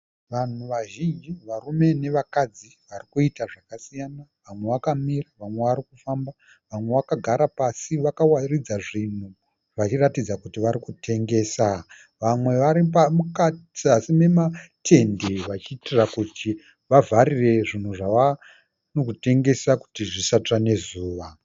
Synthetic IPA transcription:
ʋan̤uʋaʒind͡ʒiʋaɾume̞ne̞ʋakad͡ziʋarikuitaʐakasijanaʋamwe̞ʋakamiraʋamwe̞ʋaɾikufamba | ʋamwe̞ʋakaɡʱaɾapasiʋakawarid͡zaʐin̤u | ʋat͡ʃiratid͡zakutiʋaɾikutʰe̞ŋɡe̞ːsa | ʋamwe̞ʋaɾipamukat͡siasime̞matʰe̞ndeʋat͡ʃiːtirakuti | ʋavʱarire̞ʐin̤uʐaʋa | nokute̞ŋɡe̞saku̥tiʐisatane̞zuːʋa

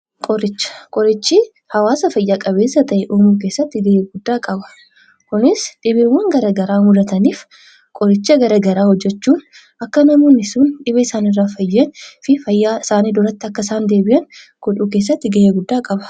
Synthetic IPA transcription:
kʼɔɾɪt͡ʃːɐ̥kʼɔɾɪt͡ʃːi | hɐwaːsɐfɐjːaːkʼɐbe̞ːsːɐt̪ɐʔɛʔuːmuːk̬e̞ːsːɐt̪ːɪɡɐheːɡʊd̪ːaːkʼɐbɐ̥ | kʊnɪsᶑɪβɪwɐŋɡɐɾɐɡɐɾaːmʊd̪ɐt̪ɐniːf | kʼɔɾɪt͡ʃːɐɡɐɾɐɡɐɾaːhɔd͡ʒːɛt͡ʃːuːn | ʔɐkːɐnɐmoːnɪsuːnᶑɪβɐɪsaːnɪrːaːfɐjːɐnfɪfɐjːaːɪsaːniːd̪ɔɾɐt̪ːɪɐkːɐɪsaːnd̪e̞ːbɪʔɐn | ɡ̥ɔᶑuːkeːs̬ːɐt̪ːɪɡɐheːɡʊd̪ːaːkʼɐbɐ̥

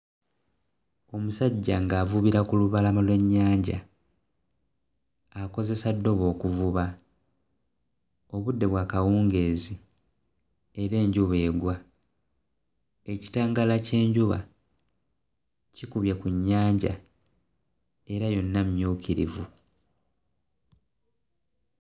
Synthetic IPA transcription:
o̞musaɟːaŋɡaːvuβiɾakuluβalamalwe̞ɲːaːɲɟa̰ | ko̞ze̞sadːo̞βo̞ːkuvuβa | o̞βudːe̞βwaːkawuːŋɡe̞ːzi | eɾe̞ːɲɟuβe̞ːɡwa | e̞ci̥taːŋɡalace̞ːɲɟuβa̰ | cikuβjekuɲːaːɲɟa̰ | e̞ɾajo̞nːammjuːkiɾḭvu

